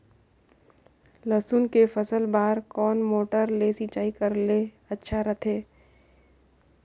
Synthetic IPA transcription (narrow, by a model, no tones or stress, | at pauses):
ləsunkefəsəlbaːɾkɔːnmoːʈəɾleːsit͡ʃaːikəɾle | ɐtːʃʰaɾət̪ʰeː